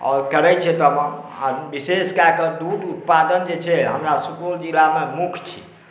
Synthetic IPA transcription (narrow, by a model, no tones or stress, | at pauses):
ɔ̰ːɾkəɾɛt͡ʃʰɛt̪əmənabiseskakəɾd̪uʈut̪̚pad̪ənd͡ʒet͡ʃʰɛɦəmɾasukuld͡ʒilamemukʰt͡ʃʰḭ